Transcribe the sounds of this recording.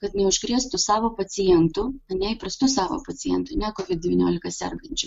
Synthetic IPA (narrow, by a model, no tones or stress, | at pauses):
kɐt̪nʲɛʊʒʲɡɾʲiɛst̪ʊsɑːʋoːpɐsʲɪjɛnt̪ʊɐnʲɛɪpɾɐst̪ʊsɑːʋo̰ːpɐsʲɪjɛnt̪ʊnʲɛkoːʋʲɪt̪̚dʲɛʋʲiːnʲoːlʲɪkɐsʲɛ̰ɾɡɐnʲt͡ʃʲʊ